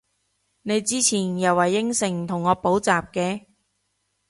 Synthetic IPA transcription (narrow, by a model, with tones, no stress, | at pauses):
ne˨˧jt͡siː˥t͡sʰiː˨˩njɐ˨wɐ˨˩jɪ˥ŋsɪ˨˩ŋt̪ʰʊ˨˩ŋːɔː˨˧˥po˨˥wt͡saː˨˩p̚kɛː˧